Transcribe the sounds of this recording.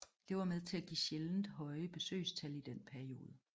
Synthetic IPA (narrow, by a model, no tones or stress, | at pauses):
d̥e̝ʋɑ̈með̞ˠt͡sʰe̝læɡ̥ḭːɕeln̩d̥ɦɒ̽ɪəb̥e̝sø̰ːst͡sʰælid̥enpʰæɐio̝ːð̞ˠə